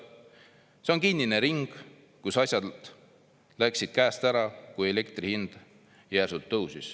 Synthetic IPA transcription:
se̞o̞nkinːine̞ɾiŋɡ̥ | kusɑsʲjɑd̪̥ | læksid̪̥̚kæːst̪æɾɑkuje̞le̞kt̪rihind̪̥ | jæːsut̪ːɤwsis

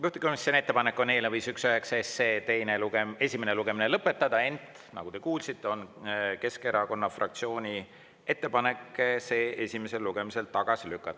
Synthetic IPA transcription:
juht̪e̥komisːene̞t̪ːe̞pɑne̞kːˑo̞ne̞leviːsyksojeksesːe̞ːt̪e̞jneluɡee̞sʲimene̞luɡ̥e̞mine̞lɤpːˑe̞t̪ːˑɑd̪̥ɑe̞nt̪ | nɑ̰ɡ̥ut̪e̞kuːlsit̪ːˑeo̞nke̞ske̞ɾɑko̞nːɑfrʔɑ̰k̚t̪sioːnʲi | e̞t̪ːepɑne̞kːse̞ːʔe̞sʲime̞se̞lːuɡ̥e̞mise̞lt̪ɑɡ̥ɑsilykːɑt̪ːˑɑ̥

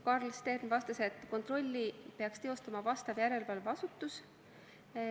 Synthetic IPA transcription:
kɑrlst̪e̞rnvɑst̪ɑse̞t̪ːˑko̞nt̪ˑro̞lʲːipe̞ɑkst̪e̞o̞st̪ɑmɑvɑst̪ɑvjæɾe̞lvɑlvɑsut̪ːˑus

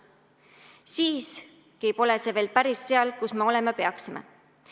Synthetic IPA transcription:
siːs | kejpo̞leseveːlpæɾisːe̞ɑlkusmeo̞le̞mɑpe̞ɑksimḛ

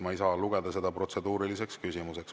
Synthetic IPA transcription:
mɑjsɑːluɡ̥e̞d̪̥ɑse̞d̪ɑpro̞t̪se̞d̪uːɾilise̞kskysimuse̞ks

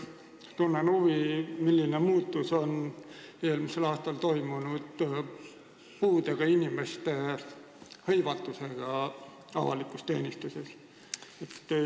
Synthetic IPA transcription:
t̪unːenhuvimilʲːinemuːt̪ːˑuso̞n | eːlmise̞lɑːst̪ɑlt̪o̞jmunud̪̥ | puːd̪eɡ̥ɑinʲime̞st̪e̞ | hɤjvɑt̪ːˑuseɡ̥ɑ | ɑ̰vɑ̰likust̪e̞ːnist̪use̞s | et̪ː

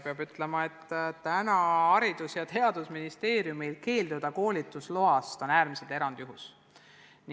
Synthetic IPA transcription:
peɑbyt̪ˑle̞mɑe̞t̪ːt̪ænɑɑɾid̪̥usjɑt̪e̞ɑd̪̥usminist̪e̞ːɾjumilke̞ːld̪ud̪̥ɑko̞ːlʲit̪ːˑuslo̞ɑst̪o̞næːɾmise̞lt̪e̞ɾɑnd̪̥juɦus | n

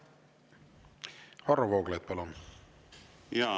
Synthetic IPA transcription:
hɑrːɑvoːɡ̥lejt̪̚pɑlun | jɑ

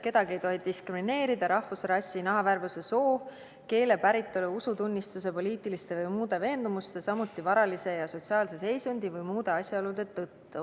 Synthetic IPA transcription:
ke̞d̪ɑɡ̥ie̞jt̪o̞ɦid̪iskrimine̞ːɾid̪̥ɑɾɑhvusrɑsʲːinɑɦɑværvuse̞so̞ː | ke̞ːle̞pæɾit̪ːˑoluusut̪unʲːist̪use̞po̞lʲiːt̪ːˑilist̪e̞vɯjmuːd̪e̞ve̞ːnd̪umust̪e̞sɑmut̪ːˑivɑɾɑlise̞jɑso̞t̪siɑːlse̞se̞jsund̪̥ivɯjmuːd̪e̞ɑsʲjɑolud̪e̞t̪ːɤt̪ːu

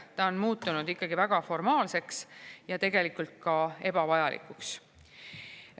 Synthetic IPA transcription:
t̪ɑonmuːt̪ːˑunud̪ikːˑɑɡ̥ivæɡ̥ɑfo̞rmɑːlse̞ksjɑt̪e̞ɡe̞likˑult̪̚kɑe̞b̥ɑvɑjɑlʔḭkˑuks

